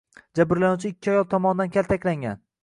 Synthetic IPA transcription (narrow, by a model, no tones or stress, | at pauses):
d͡ʒabɪɾlanawt͡ʃʰɪɪkʲːɪɒjɒlˠt̪ʰɒmɒnɪd̪ankʲalt̪ʰakʲlaŋɡʲa̰n